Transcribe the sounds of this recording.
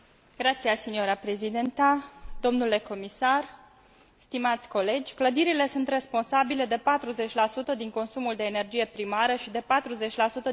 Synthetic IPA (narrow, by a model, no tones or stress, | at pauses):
ɡɾat̪siasinijoɾapɾe̞zid̪ent̪ad̪̥o̞mnule̞ko̞misar | st̪imat̪sʲko̞le̞d͡ʒʲkləd̪iɾile̞sunt̪re̞spo̞nsabile̞d̪e̞pat̪ɾuze̞t͡ʃʲlasut̪əd̪iŋko̞nsumuld̪e̞ːne̞rd͡ʒije̞pɾimaɾəʃid̪e̞pat̪ɾuze̞t͡ʃʲlasut̪ə